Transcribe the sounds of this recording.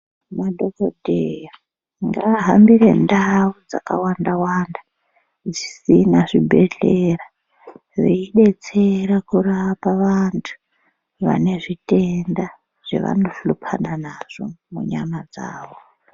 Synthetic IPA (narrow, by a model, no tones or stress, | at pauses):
madʱokodʱejja | ŋɡaɦambirendaud͡za̰kawandawanda | d͡zisinaʐibʱe̞ɮera | ʐeiɗe̞t͡se̞ɾakurapaʋantʰu̥ | ʋa̰ne̞ʐite̞nda | ʐ̥ḛʋa̰no̞ɬupʰananaʐ̥o̞̰muɲamad͡za̰ːʋo